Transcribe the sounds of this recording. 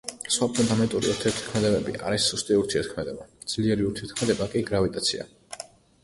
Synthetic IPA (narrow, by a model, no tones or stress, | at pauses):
sχwapʰɔnt̪ʰamɛnt̪ʼuɾḭuɾt̪ʰɛɾt̪ʰi̥kʰmɛd̪ɛbɛbḭʔa̰ɾisːust̪ʼiuɾt̪ʰiɛɾt̪̚kʰmɛd̪ɛbad̪z̥liɛɾiuɾt̪ʰiɛɾt̪kʰmɛd̪ɛbakʼiɡɾavit̪ʼat̪sʰḭa̰